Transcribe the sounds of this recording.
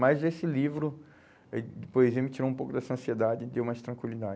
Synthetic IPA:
majzesɪlivɾʊ | poeziɐmɪt͡ʃiɾowũpowkʊd̪ɛsɐɐ̃sied̪ad͡ʒɪd̪ewmajst̪ɾɐ̃kwilid̪ad͡ʒ

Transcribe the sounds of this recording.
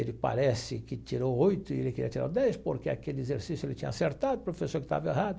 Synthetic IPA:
elɪpa̰ɾɛsɪkɪt͡ʃiɾowojt̪ʊielɪkeɾiɐt͡ʃiɾa̰d̪ɛjspoɾkea̰kelɪezeɾsisjuelɪt͡ʃĩɲɐaseɾt̪ad̪ʊpɾofesoɾkɪ̥t̪a̰vɐehad̪ʊ

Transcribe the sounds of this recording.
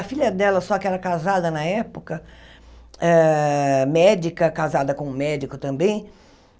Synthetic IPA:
ɐfiʎɐd̪ɛlɐsɔkɪɛɾɐkazad̪ɐnɐɛpʊkɐ | ɛ | mɛd͡ʒikɐkazad̪ɐkõũmɛd͡ʒikʊt̪ɐ̃mbẽj̃

